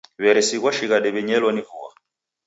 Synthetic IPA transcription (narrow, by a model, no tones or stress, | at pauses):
βɛɾɛsiɣwaʃiɣadɛβɛɲɛlɔnivuwa̰